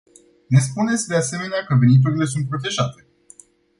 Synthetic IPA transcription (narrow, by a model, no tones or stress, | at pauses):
ne̞s̬pune̞t̪sʲd̪e̞ase̞me̞neakəvenit̪̬uɾile̞s̬unt̪̚pɾo̞t̪e̞ʒat̪e̞̥